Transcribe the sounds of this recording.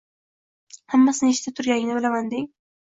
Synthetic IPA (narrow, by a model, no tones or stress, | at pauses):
hamːasɪneʃt̪ʰat̪ʰʊɾɡʲaɡɪnɪbɪlavand̪ɪŋ